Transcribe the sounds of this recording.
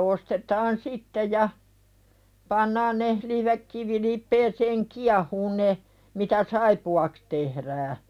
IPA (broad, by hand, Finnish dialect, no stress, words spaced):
ostetɑːn sitːe jɑ pɑnːɑːn ne liʋekːiʋilipˑeːseːŋ kiɑhuːn ne mitæ sɑipuɑks tehɾæː